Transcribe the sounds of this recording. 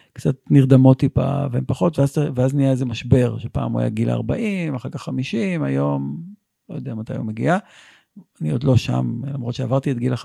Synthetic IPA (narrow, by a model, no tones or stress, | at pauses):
kt͡satniʁd̪amo̞t̪ipa̰veempaχo̞t̪veazt̪veaznijaeze̞maʃbe̞ʁʃepa̰ːmua̰ja̰ɡila̰a̰ʁbaʔimaχakaχːamiʃimajo̞m | lojod̪eamat̪ajo̰mːeɡḭa | aniod̪lo̞ʃa̰mlamʁo̞t̪ʃeavaʁt̪iet̚ɡila